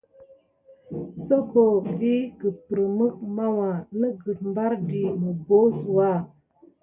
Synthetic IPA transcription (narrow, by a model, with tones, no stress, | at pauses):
so˦ko˨vi˦ɡə˨pɾə˨mɨ˦k̚ma˦wa˨nə˦ɡə˨t̚m˦ba˦ɾdi˨mə˨bo˦su˨wa˦˨